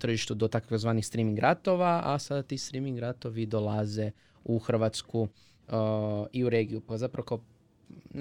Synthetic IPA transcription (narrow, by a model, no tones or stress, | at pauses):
t̪r̩ʒiʃt̪ud̪ot̪akkozʋaːnixst̪ɾimiŋɡɾat̪o̞ʋaʔasad̪at̪ist̪ɾimiŋɡɾat̪o̞ʋid̪olˠaze̞ | uxr̩ʋat̪sku | iuɾeɡiupazapɾaʋoka